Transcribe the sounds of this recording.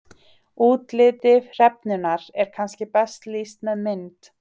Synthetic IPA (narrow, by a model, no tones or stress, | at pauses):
uːt̪lɪːt̪ɪvr̥ɛp̚nʏnaɾɛɾ̥kʰanscɪpɛst̪liːst̪mɛðmɪnt̪